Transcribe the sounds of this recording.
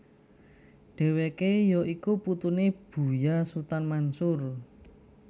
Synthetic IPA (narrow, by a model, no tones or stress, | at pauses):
ɖ̥e̤wekejɔʔikuput̪uneb̥ṳjasut̪anmansʊr